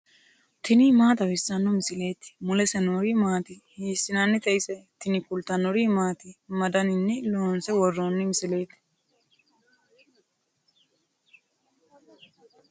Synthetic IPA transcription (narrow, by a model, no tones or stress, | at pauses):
t̪ʰɪnɪmaːt̪ɐwɪsːɐnːɔmɪsɪle̞ːt̪ɪ̥mʊlɛsɛnoːɾimaːt̪ɪhiːsːɪnanːɛt̪ʼɛjɪsɛt̪ɪnɪkʊlt̪ɐnːɔɾimaːt̪ɪmɐd̪ɐnɪnːɛloːnsɛwɔrːoːnːɪmɪsɪle̞ːt̪ːɪ̥